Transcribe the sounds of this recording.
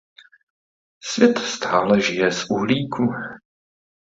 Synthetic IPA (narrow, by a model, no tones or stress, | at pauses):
svjɛt̪st̪aːlɛʒɪjɛsʔuɦliːkʰu